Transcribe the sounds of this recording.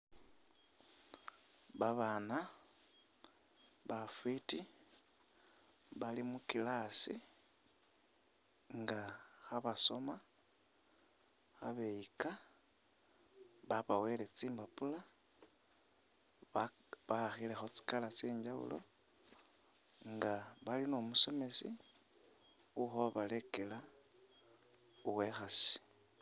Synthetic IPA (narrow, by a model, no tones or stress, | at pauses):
βaβana | βafwiti | βalimukilasi | ŋɡaxaβaso̞ma | xa̰βe̞jika | βaβawe̞le̞t͡siːmbapula | βaxile̞xo̞t͡si̥kalat͡siːɲɟaṵlo̞̰ | ŋɡaβalinomuso̞me̞si | uxoβale̞kela | uwe̞xasi̥